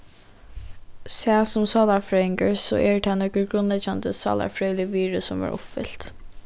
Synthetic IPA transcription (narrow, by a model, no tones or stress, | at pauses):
sæːsʊmsɑːlafɾɛɪŋkəɹsɔ̰ʔɛɹt̪ʰɛnœkəɾɡɾʊnlɛd͡ʒand̪əsɑ̰ːla̰fɹœlɪʋiːɹəsɔmʋɑ̰ɹʔʊ̰pfɪ̰l̥t̪